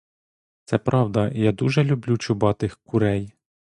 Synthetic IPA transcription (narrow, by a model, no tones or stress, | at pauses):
t̪sɛpɾʔɑwd̪ɐjad̪uʒɛlʲʊblʲut͡ʃʊbɑt̪ɪxkʊɾɛj